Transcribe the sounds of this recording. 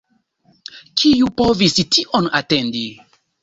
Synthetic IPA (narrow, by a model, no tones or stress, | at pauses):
kʰijupovistiʔonate̞ndi